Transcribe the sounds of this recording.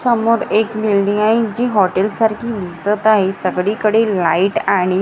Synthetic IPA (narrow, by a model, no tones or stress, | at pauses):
səmoɾekmilɖiŋaid͡ʑiːɦɔʈelsaɾkʰiːlisət̪aɦesəɡɽikəɽelaiʈaɽ̃i